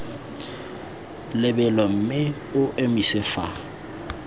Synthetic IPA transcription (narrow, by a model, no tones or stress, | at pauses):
lɪbɛlɔm̩mɪ | ʊʔemisɪfa